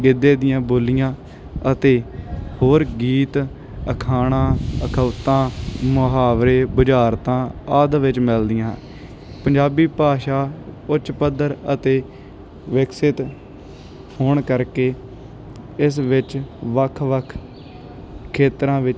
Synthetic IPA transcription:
ɡɪd̪eːd̪ɪjãːboːlɪjãː | ət̪eːhoːɾɡiːt̪ | əkʰaːɽ̃ãːəkʰəːt̪ãːmʊɦaːʋɾeːbəd͡ʒaːɾt̪ãːaːd̪ʋɪt͡ʃmɪld̪ɪjãː | pəɲd͡ʒaːbiːpaːʃaːʊt͡ʃpəd̪əɾət̪eː | ʋɪksɪt̪ | oːɳkəɾkeː | ɪsʋɪt͡ʃʋəkʰʋəkʰ | kʰːeːt̪ɾãːʋɪt͡ʃ

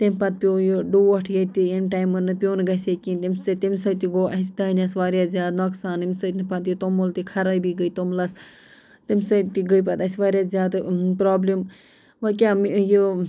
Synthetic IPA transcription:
t̪imʲpɐt̪̚pʲjoːjoɖuːʋɐʈʰjɐt̪ienʈajmɨnɨpʲjoːnɡɐsʲekĩnt̪imʲsɐt̪imʲsɐt̪iɡoːɐsd̪ɐːnʲɐsʋaːɾjaːzʲjaːd̪nɐksaːnimʲsɐt̪pɐt̪jit̪omolt̪ikʰɐɾɐjbiɡəjt̪omlɐs | t̪imʲsɐt̪iɡəjpɐt̪ɐsʲʋaːɾjaːzʲjaːd̪pɾaːblim | ʋɐkʲamjo

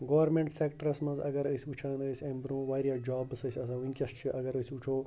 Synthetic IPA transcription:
ɡoːʋɐɾmẽɳʈseːkʈəɾɐsmɐ̃nzɐ̰ɡɐɾəsʲut͡ʃʰaːnəsʲembɾũːʋaːɾjaːd͡ʒaːbsɐsʲɐsãːʋiŋkʲɐst͡ʃʰiʔɐɡɐɾəsʲut͡ʃʰoː

